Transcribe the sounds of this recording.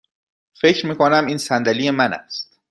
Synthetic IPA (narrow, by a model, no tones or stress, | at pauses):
fe̞cʰɾmiːkʰonæmiːnsænd̪ælije̞mænæ̰st̪̚